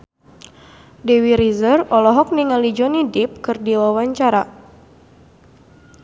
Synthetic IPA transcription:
dɛwiɾizərɔlɔɦɔk̚niŋalid͡ʒɔnidip̚kɨrdiwawaɲt͡ʃaɾa

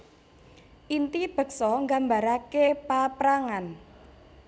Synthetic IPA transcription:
ʔint̪ib̥ə̤k̚sɔŋɡambaɾakepapɾaŋan

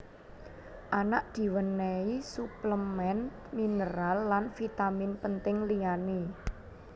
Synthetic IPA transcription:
ʔanaʔd̪̥i̤wənɛisupləmɛnt̪minəɾalːanfit̪amɪnpənt̪ɪŋliane

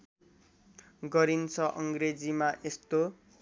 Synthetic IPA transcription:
ɡʌɾint͡sʰʌʔʌŋɡred͡zimaʔest̪o

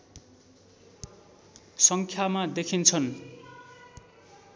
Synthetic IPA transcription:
sʌŋkʰjamad̪ekʰint͡sʰʌn

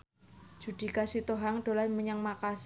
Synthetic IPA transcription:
d͡ʒ̥ud̥i̤kasit̪oɦaŋɖ̥olanməɲəŋmakas

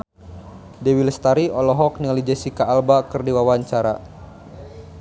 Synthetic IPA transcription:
dɛwilst̪aɾiɔlɔɦɔk̚niŋalid͡ʒɛsikaːlbakɨrdiwawaɲt͡ʃaɾa

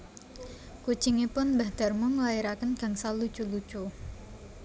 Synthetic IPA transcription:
kut͡ʃiŋepʊnbahd̪̥a̤rmuŋlaiɾakənɡ̥aŋsalut͡ʃulut͡ʃu

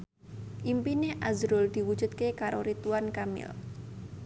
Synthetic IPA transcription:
ʔimpineʔazɾʊld̪̥i̤wud̥ʒ̥ṳt̪̚kekaɾoɾit̪uwankamɪ̰l

